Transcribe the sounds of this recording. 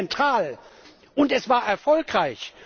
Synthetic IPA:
ɛntʁ̥aːl | ʔʊntɛsv̥aːɐʔɛɐfɔlkʁaɪç

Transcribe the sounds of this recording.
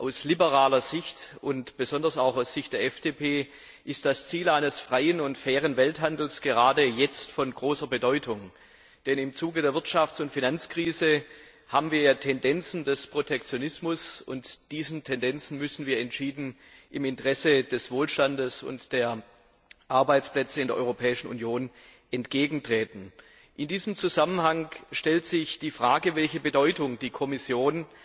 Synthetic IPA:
ʔaʊslibəʁaːlɐzɪçtʔʊntb̥əzɔndɐsaʊxaʊsz̥ɪçt̚d̥eːɐɛfd̥eːpʰeː | ʔɪst̚d̥ast͡siːlaɪnəsfʁ̥aɪənʊntfɛːʁ̞ənvɛlthandl̩sɡ̥əʁaːdəjɛt͡stfɔnɡʁoːsɐbədɔʏtʰʊŋ | d̥ɛnɪmt͡suːɡədeːɐvɪɐtʃaft͡sʊntfinant͡skʁ̥iːzə | haːbmn̩viːɐjatʰɛndɛnt͡sn̩dɛspʁ̥otʰɛk̚t͡sjonɪsmʊsʊ̰ntd̥iːzn̩tʰɛndɛnt͡sn̩mʏsn̩viːɐɛntʃiːdn̩ | ʔɪmɪntəʁɛsəd̥ɛsv̥oːlʃtandəsʊ̰ntd̥eːɐ | ʔaɐbaɪt͡splɛt͡səɪndeɛɐʔɔʏʁopʰɛːɪʃn̩ṵnjoːn | ʔɛntɡ̥eːɡŋ̩tʁ̥ɛːtn̩ | ʔɪndiːzəmt͡suzamənhaŋʃtɛltz̥ɪçd̥iːfʁ̥aːɡəvɛlçəbədɔʏtʊŋd̥iːkʰɔmɪsjoːn

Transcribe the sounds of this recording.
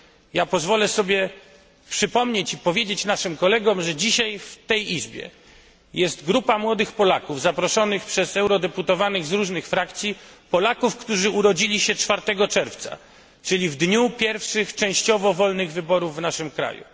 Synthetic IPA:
japɔzvɔlɛsɔbʲjɛ | pʂɘpɔmɲet͡ɕipɔvʲjed͡ʑet͡ɕnaʂɘmkɔlɛɡɔmʐɛd͡ʑiɕajft̪ɛjizbʲjɛ̰ | jɛst̪ɡɾupamwɔd̪ɘxpɔlakuvzapɾɔʂɔnɘxpʂɛzɛwɾɔd̪ɛput̪ɔvanɘɣzɾuʐnɘxfɾakt̪sʲjipɔlakufkt̪uʐɘuɾɔd͡ʑilʲiɕɛt͡ʂfaɾt̪ɛɡɔt͡ʂɛɾft̪sa̰ | t͡ʂɘlʲivd̪ɲupʲjɛɾfʂɘxt͡ʂɛ̃w̃ɕt͡ɕɔvɔvɔlnɘɣvɘbɔɾuvːnaʂɘmkɾa̰jṵ

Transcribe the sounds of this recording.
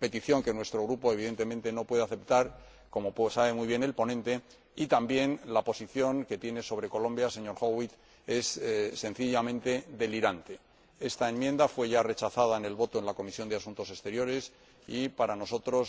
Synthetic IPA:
pe̞t̪iθjo̞ŋke̞nwe̞st̪ɾo̞ɣɾupo̞e̞β̞iðe̞nt̪e̞mẽnt̪e̞no̞pwe̞ðeaθe̞pt̪aɾ | ko̞mosaβ̞e̞muijβje̞ne̞lpo̞nẽ̞nt̪e̞ | it̪ambje̞nlapo̞siθjo̞ŋke̞t̪je̞ne̞so̞β̞ɾe̞ko̞lõ̞mbjase̞ɲo̞ɾxoɣwit̪ | e̞sːe̞n̟θiʎamẽ̞nt̪e̞ðe̞liɾant̪e̞ | e̞st̪ae̞mjẽ̞nd̪afwe̞ʝare̞t͡ʃaθað̞aene̞lβo̞t̪o̞e̞nlako̞misjo̞nd̪easunt̪o̞se̞st̪e̞ɾjo̞ɾe̞s | ipaɾano̞so̞t̪ɾo̞s

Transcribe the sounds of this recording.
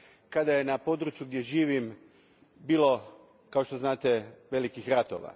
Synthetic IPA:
kad̪aje̞napo̞d̪ɾut͡ʃjuɡd̪je̞ʒiːʋim | biːlˠo̞ | kao̞ʃt̪o̞znaːt̪e̞ʋe̞likixɾat̪oːʋa̰

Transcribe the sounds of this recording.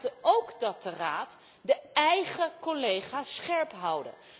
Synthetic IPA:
təowkdɑt̚dəraːt | dəɛjχəkɔlejχaːsχɛɹpɦʌwdə̰

